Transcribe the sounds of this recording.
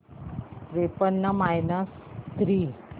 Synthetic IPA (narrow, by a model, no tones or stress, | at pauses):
ɾepənːəmajnəst̪ɾiː